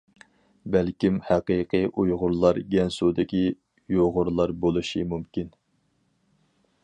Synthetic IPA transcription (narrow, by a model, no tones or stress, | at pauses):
bɛlkʲimhæqiqʰəʔujʁʊɾlˠɑɾɡʲɛnsud̪ɪkʲi | joʁʊɾlˠɑɾbolˠuʃimumkʲin